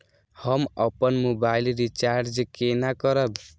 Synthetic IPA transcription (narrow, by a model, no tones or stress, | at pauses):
hʌmʌpənmobailɾit͡ʃaɾɾd͡ʒkenakʌɾʌb̪